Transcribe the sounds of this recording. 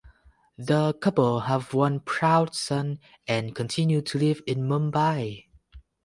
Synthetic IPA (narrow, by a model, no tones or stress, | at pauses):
ðəkʰʌpəlˠhəvwʌ̃npʰɹ̥aʊdsʌ̃n | ʔɛ̃nkʰɔ̃ntʰɪ̃njutʰulɪvɪ̃nmɔ̃mbaɪ